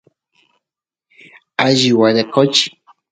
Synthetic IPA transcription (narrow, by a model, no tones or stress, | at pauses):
aʒiwad̪ekʰot͡ʃi̥